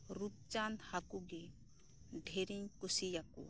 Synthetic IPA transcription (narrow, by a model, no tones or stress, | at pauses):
ɾut̪̚t͡ʃanhakuɡɛ | ɖʱeɾiɲkosijakṵa̰